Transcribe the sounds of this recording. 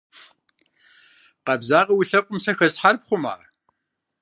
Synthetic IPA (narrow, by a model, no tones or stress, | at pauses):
qɐbzaːʁɐwʊɬɐqʷʼʊmsɐxɐsħarp̚χʷʊma̰ːr